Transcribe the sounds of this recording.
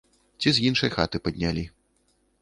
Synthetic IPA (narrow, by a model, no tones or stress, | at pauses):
t͡sʲizʲjinʂɐjxa̰t̪ɨpɐd̪ʲnʲalʲi